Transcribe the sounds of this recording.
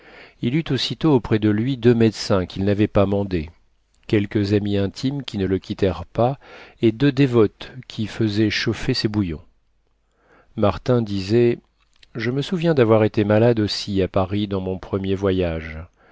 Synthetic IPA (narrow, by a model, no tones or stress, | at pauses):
ilyt̪osit̪oːpχɛd̪əlɥid̪ømɛd̪sɛ̃kʲilnavɛpamɑ̃d̪e | kʲɛlkəzamiɛ̃t̪ʰimkʲinələkʲit̪ɛʁpaed̪ød̪evɔt̪kʲʰifəzɛʃofesɛbujɔ̃ | maʁt̪ɛ̃d̪izɛ | ʒəməsuvjɛ̃d̪avwaʁet̪emalad̪osiapaʁid̪ɑ̃mɔ̃pχəmjevwajaʒ